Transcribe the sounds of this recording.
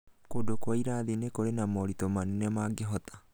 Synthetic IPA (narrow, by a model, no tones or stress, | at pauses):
kodokwaiɾaːðinekoɾenamɔɾitɔmanɛnɛmaːɡeɦɔt̪ḁ